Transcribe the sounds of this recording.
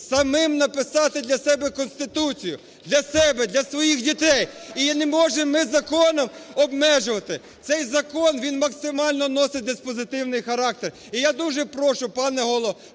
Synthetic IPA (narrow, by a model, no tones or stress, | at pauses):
sɐmɪmnɐpɪsɑt̪ɪd̪lʲɐsɛbɛkɔnst̪ɪt̪ut͡sʲijʊ | d̪lʲɐsɛbɛd̪lʲɐsʋɔjixdʲit̪ɛjinemɔʒɪmːɪzɐkɔnɔmɔbmɛʒʊʋɐt̪ɪ | t̪sɛjzɐkɔnʋʲinmɐksɪmɑlʲnɔnɔsɪd̪ɪspɔzɪt̪ɪwnɪjxɐɾɑk̚t̪er | ijad̪uʒɛpɾɔʃʊpɑnɛɦɔlˠɔ